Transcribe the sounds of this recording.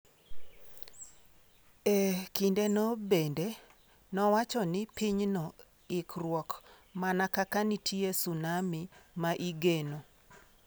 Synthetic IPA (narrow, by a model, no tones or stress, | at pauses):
ekindenɔbende | nɔwat͡ʃɔnɪpiɲnɔ | ɪkrwɔk | manakakanitʰiesunamimaʔiɡeno